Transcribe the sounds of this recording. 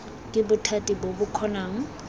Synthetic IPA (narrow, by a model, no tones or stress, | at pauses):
kʼɪbʊtʰatʼibobʊkʰɔnaːŋ̩